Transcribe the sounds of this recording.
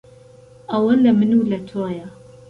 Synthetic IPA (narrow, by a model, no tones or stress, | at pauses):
ʔɐwɐlɐmɨnulɐt̪ʰoːjɐ